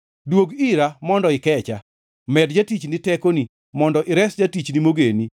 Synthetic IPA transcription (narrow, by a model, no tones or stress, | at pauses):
dwoɡɪɾamɔndɔɪkɛt͡ʃa | mɛdd͡ʒatit͡ʃnitɛkoni | mɔndɔʔɪɾɛsd͡ʒatit͡ʃnimoɡeni